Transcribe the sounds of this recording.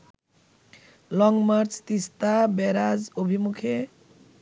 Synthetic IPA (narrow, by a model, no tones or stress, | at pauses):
lɔŋmaɾt͡st̪ist̪abɛɾad͡zobʱimukʰe